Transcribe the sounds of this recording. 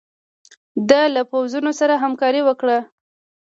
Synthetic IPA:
d̪alapawzunosaɾaɦamkɑɾiwəkɽa

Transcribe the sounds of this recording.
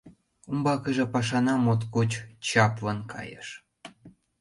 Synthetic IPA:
umbɑkəʒĕpɑʃɑnɑmot̪kut͡ɕt͡ɕɑpvɤnkʰɑ̰jə̰ʃ

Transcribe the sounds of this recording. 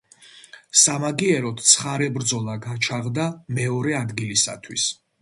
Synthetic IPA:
samaɡiɛɾɔt̪ʰt̪sʰχaɾɛbɾd̪zɔlˠaɡat͡ʃʰaʁd̪amɛɔɾɛad̪ɡilisa̰t̪ʰwḭs

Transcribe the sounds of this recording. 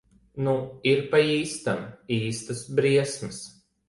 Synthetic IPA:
nuiɾpaiːst̪amiːst̪ɐsbɾiɛsmɨs

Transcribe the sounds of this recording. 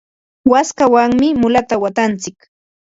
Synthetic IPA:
waskawaŋmɪmʊlat̪awat̪ant͡sɪk

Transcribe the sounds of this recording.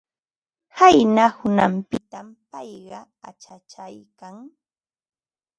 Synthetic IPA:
hajnahʊnampɪt̪ampɑjɢɑ | at͡ʃat͡ʃajkaŋ

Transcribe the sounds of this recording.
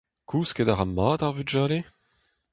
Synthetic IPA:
kʰuːskedaʁamaːtaʁvyʒaːle

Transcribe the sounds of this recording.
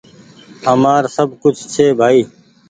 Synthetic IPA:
əmaːɾsəbʱkʊt͡ʃʰt͡ʃʰeːbʱaːiː

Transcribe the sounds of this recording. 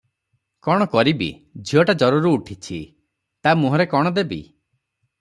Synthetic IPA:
kɔɽ̃ɔkɔɾibḭ | d͡ʒʱiɔʈad͡ʒɔɾuɾuːʈʰit͡ʃʰi | t̪amuɦɔɾekɔɽ̃ɔd̪ebḭ

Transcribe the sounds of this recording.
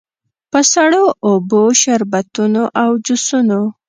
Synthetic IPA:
pəsaɽoːboʃaɾbat̪unoʔawd͡ʒusuno

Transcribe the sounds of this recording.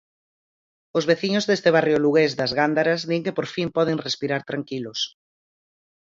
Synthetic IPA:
ozβeθiɲʊzðest̪eβ̞arjoluɣezðɐzɣand̪aɾɐzðiŋkepoɾfimpɔð̞eŋrespiɾaɾt̪ɾaŋkilʊs

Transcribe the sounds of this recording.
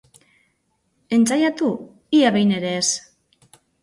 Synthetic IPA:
e̞nt͡sajat̪u | iaβe̞jne̞ɾe̞ːs

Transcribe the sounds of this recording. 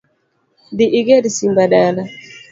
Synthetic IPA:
diʔiɡɛdisimbadala

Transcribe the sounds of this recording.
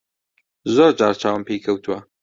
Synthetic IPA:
zoːɾd͡ʒaːɾt͡ʃʰaːwəmpejkʰɐwt̪ʰuwɐ

